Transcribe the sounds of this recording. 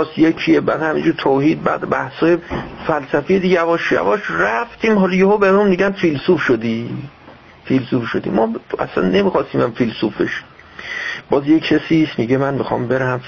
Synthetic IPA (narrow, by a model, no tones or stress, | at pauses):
sjekʰiebæːd̪hæmḭnd͡ʒuːɾt̪ʰohiːd̪̚bæ̰ːd̪bæhshɒːjefælsæfijed̪iɟævɒːʃjæ̰vɒːʃræft̪ʰiːmɦɒːlɔjehobeunmiɟænfilsufʃod̪iː | filsuːfʃod̪ḭːmɒːæ̰sæ̰nːe̞miːxɒːst̪iːmæmfilsufbeʃ | b̥ɒːzjekʰːesiːsmiɟemænmixɒ̰ːmbeɾæhæm